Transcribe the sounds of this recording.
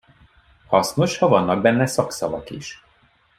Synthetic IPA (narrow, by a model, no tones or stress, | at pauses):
hɒsnoʃhɒvɒnːɒɡ̚bɛnːɛsɒksɒvɒ̰kiʃ